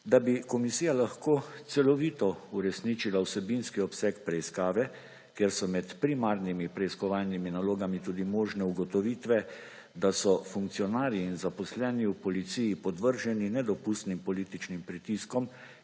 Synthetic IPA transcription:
d̪abikɔmisiːjalaxkoːt̪sɛlɔʋiːt̪ɔuɾɛsniːt͡ʃilawsɛbinskiɔpsɛkpɾɛiskaːʋɛ | keːɾsɔmɛt̪pɾimaɾnimipɾɛiskɔʋaːlniminaloːɡamit̪uːd̪imɔːʒnɛuɡɔt̪ɔʋiːt̪ʋɛ | d̪asɔfuŋkt̪sijɔnaːɾjiːnzapɔslɛniupɔlit̪sijipɔd̪ʋəɾʒɛninɛd̪ɔpust̪nimpɔliːt̪it͡ʃnimpɾit̪iskɔm

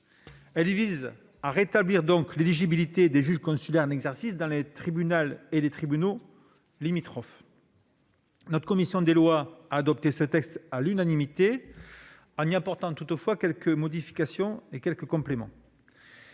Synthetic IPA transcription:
ɛlviz | aʁet̪abliʁd̪ɔ̃kleliʒibilit̪ed̪eʒyʒkɔ̃sylɛʁɛ̃nɛɡzɛʁsisd̪ɑ̃let̪χibynalelet̪χibyno | limit̪χɔf | nɔt̪χə̥kɔmisjɔ̃d̪elwaaːd̪ɔp̚t̪esət̪ɛkst̪alynanimit̪e | ɑ̃niapɔʁt̪ɑ̃t̪ut̪əfwakʲɛlkəmɔd̪ifi̥kasjɔ̃ekʲɛlkəkɔ̃plemɑ̰̃

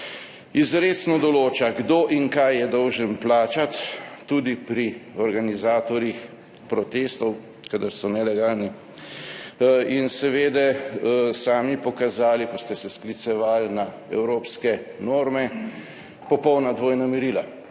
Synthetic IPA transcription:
izɾeːt̪snɔd̪ɔloːt͡ʃaɡd̪oʔiŋkajːɛd̪ɔwʒənplaːt͡ʃat̪ːud̪ipɾiɔɾɡanizaːt̪ɔɾix | pɾɔt̪eːst̪ɔw | kad̪aɾsɔnɛlɛɡaːlni | insɛʋeːd̪ɛsaːmipɔkazaːlikɔst̪ɛsɛsklit̪sɛʋaːlna | ɛ̰wɾoːpskɛnoːɾmɛ | pɔpɔwnad̪ʋoːjnamiɾiːla

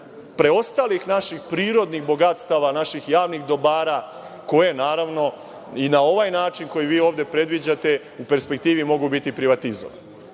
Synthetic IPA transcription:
pɾe̞o̞st̪alixnaʃixpɾiːɾo̞d̪nixbo̞ɡat̪st̪aʋanaʃixjaːʋnixd̪o̞baːɾa | ko̞je̞naːɾaʋno̞ | inao̞ʋajnaːt͡ʃinko̞jiʋiːo̞ːʋd̪e̞pɾe̞d̪ʋid͡ʑat̪e̞ | upe̞ɾspek̚t̪iːʋimo̞ɡubit̪ipɾiʋat̪izo̰ʋa̰nne

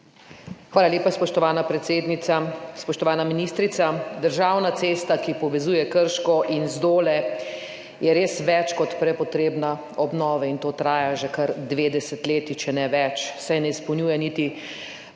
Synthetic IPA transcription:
xʋaːlaljeːpaspɔʃt̪ɔʋaːnapɾɛt̪seːd̪nit̪saspɔʃt̪ɔʋaːnaminist̪ɾit̪sad̪əɾʒaːwnat̪seːst̪akipɔʋɛzuːjɛkəɾʃkɔʔinzd̪oːlɛ | jɛɾeːsʋɛt͡ʃkɔt̪pɾɛpɔt̪ɾeːbna | ɔbnɔːʋaint̪oːt̪ɾaːjaʒɛkaɾd̪ʋeːd̪ɛsɛt̪leːt̪it͡ʃɛnɛʋɛt͡ʃsajnɛispɔwnʲjuːjɛnit̪i

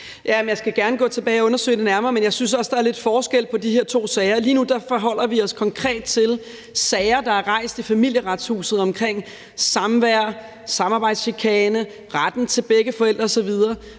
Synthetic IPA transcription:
jæmjɑ̈ɪsɡ̥æɡ̥æɐnəɡ̥ɔ̰̽ːt͡sʰe̝b̥ɛːɪɒɔ̽nɐsø̰ɪd̥e̝næɐmɐːmenjɑ̈ɪsynsɒ̽sd̥ɑ̈æɐle̝d̥fɒːsɡ̥el̰pʰɒ̽dihe̝ɐ̰t͡sʰo̝̰ːsɛɪɐliːnud̥ɑ̈fɒɦɒ̽l̰ɐʋiɒ̽skʰɒ̽ŋkʰʁɛ̰ːd̥t͡sʰe̝l | sɛɪɐd̥ɑ̈æɐʁɑ̈ɪ̰sd̥ifæmil̰jəʁɑ̈d̥shṵːsð̩ˠɒ̽mkʰʁeŋ̰ | sɑ̈mʋæɐ̰ | sɑ̈mɑ̈ːb̥ɑ̈ɪd̥sɕikʰɛːnə | ʁad̥n̩t͡sʰe̝lb̥eɡ̥əfɒ̽el̰d̥ʁɐsɒ̽ʋið̞ˠɐː

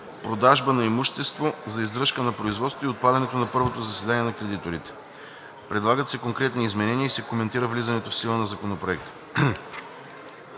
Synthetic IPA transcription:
pɾod̪aʒbənɐimuʃt̪ɛst̪vozɐizd̪ɾɤʃkənɐpɾoizvɔt̪st̪oiot̪̚pad̪ɐnɛt̪onɐpɤɾvot̪ozɐsɛd̪aniɛnɐkɾɛd̪it̪oɾit̪ɛ̥ | pɾɛd̪lˠaɡət̪sɛkoŋkɾɛt̪niːzmɛnɛniəisɛkomɛnt̪iɾəvlizɐnɛt̪ofsilˠənɐzɐkonopɾoɛk̚t̪ə̥

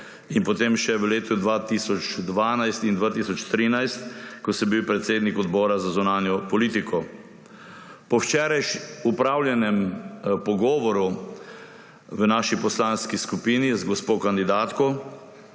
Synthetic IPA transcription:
inpɔt̪emʃɛʋəleːt̪ud̪ʋaːt̪isɔt͡ʃd̪ʋaːnajst̪ind̪ʋaːt̪isɔt͡ʃt̪ɾiːnajst̪kɔsɔbiwpɾɛt̪seːd̪nikɔd̪bɔːɾazazunaːnjɔpɔliːt̪ikʰɔ | pɔwt͡ʃɛːɾajʃupɾaːwljɛnɛmpɔɡɔːʋɔɾu | ʋənaːʃipɔslaːnskiskupiːnizɡɔspoːkand̪id̪aːt̪kɔ

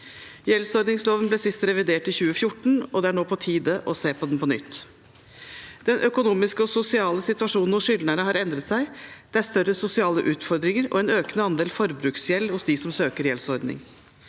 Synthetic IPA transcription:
jɛlsɔɾd̪nɪŋsloːʋənblɛsɪst̪ɾɛʋɪd̪eːʈɪçʉːəfjʊʈːɳ̩ɔd̪ɛæɳoːpʰɔt̪ʰiːd̪əʔɔseːpɔd̪ɛnpɔnʏ̰t̪ː | d̪̥ɛnʔœkʊnuːmɪskəɔsʊsɪɑːləsɪt̪ʉɑʂuːnn̩ʊsʂʏlnəɳəɦɑɾɛnd̪ɾət̪sæɪd̪̥ɛæɾst̪œɾəsʊsɪɑːlə̰ʔʉːt̪fɔɾd̪ɾɪŋəɾɔ̰ɛnøːkənəɑnd̪eːlfɔɾbɾʉːksjɛlhʊsd̪ɪsɔmsøːkəɾjɛlsɔɾd̪nɪ̰ŋ

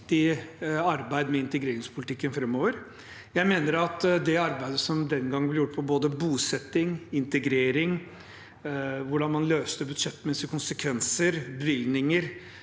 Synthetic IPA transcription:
t̪ɪɑɾbæɪd̪mɛɪnt̪əɡɾeːɾɪŋspʰʊlɪt̪ɪkːənfɾɛmːoːʋəɾ | jæɪmeːnəɾɑt̪d̪ɛɑɾbæɪd̪əsɔmd̪ɛnɡɑŋːblɪɾjʊʈːpʰɔboːd̪əbuːsɛt̪ːɪŋɪnt̪əɡɾeːɾɪŋ | ʋʊɖɑnmɑnløːst̪əbʉd̪ʂɛt̪ːmɛsɪkʰʊnsəkʰʋɛnsəɾbəʋɪlnɪŋəɾ

